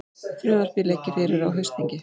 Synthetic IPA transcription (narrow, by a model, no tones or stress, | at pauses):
fɾœːðaɾ̥pilecɪfɪːɾɪɾawɦœɥst̪niɲcɪ